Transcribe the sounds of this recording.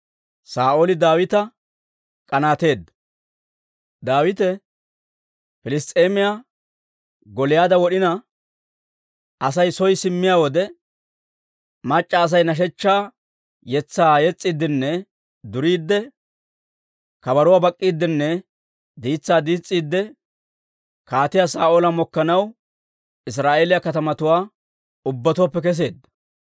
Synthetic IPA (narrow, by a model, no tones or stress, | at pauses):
saːʔoːlɪd̪aːwɪt̪ɐ | kʼɐnaːt̪e̞ːd̪ːɐ | d̪aːwɪt̪ɛ | fɪlɪst̪ʼe̞ːmɪja | ɡɔlɪjaːd̪ɐwɔɗɪnɐ | ɐsɐjsɔjsɪmːɪjaːwɔd̪ɛ | mɐt͡ʃʼːɐːs̬ɐjnɐʃ̬ɛt͡ʃːaː | jɛt͡sːaːjɛt͡sʼːid̪ːɪnːɛ | d̪ʊɾiːd̪ːɛ | kɐbɐɾʊwaːbɐkʼːiːd̪ːɪnːɛ | d̪iːt͡sːaːd̪iːt͡sʼːiːd̪ːɛ | kaːt̪ɪjaːsaːʔoːlɐmɔkːɐnɐw | ɪs̬ɾaːʔeːlɪjɐkɐt̪ɐmɐt̪ʊwaː | ʊbːɐt̪ʊwaːpːɛkɛs̬e̞ːd̪ːɐ